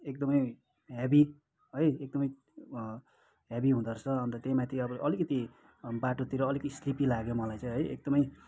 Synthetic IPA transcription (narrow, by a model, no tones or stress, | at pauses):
ek̚d̪ʌmʌj | ɦebi | ɦʌjek̚d̪ʌmʌj | ɦebiɦũd̪ʌrt͡sʰʌʌnt̪ʌt̪jejmat̪ʰiʌbʌʔʌlikʌt̪i | baʈot̪iɾʌːlikʌt̪islipilaɡjomʌlajt͡sʌ̃j̃ɦʌjḛk̚d̪ʌmʌj